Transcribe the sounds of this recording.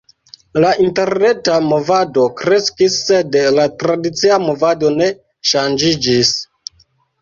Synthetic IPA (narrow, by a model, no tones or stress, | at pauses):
lainte̞ɾne̞tamo̞vado̞kɾe̞skisːe̞dlatɾadit͡siamo̞vadone̞ | ʃand͡ʒid͡ʒis